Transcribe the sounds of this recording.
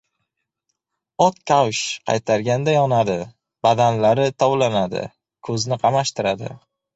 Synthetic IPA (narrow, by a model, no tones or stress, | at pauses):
ɒt̪̚kʲʰawʃqʰɑ̰jt̪ʰaɾɡʲand̪ajɒnad̪ɪ | b̥ad̪anlaɾɪt̪ʰɒwlanad̪ɪ̰ | kʰɵznɪqʰɑmaʃt̪ɪɾad̪ɪ̰